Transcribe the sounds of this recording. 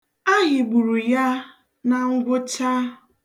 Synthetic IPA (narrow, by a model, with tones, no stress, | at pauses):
a˦ɦɪ˨ɡ͡bu˨ɾu˨ja˦ | na˨ŋ̩˦ɡʷʊ˦t͡ʃa˦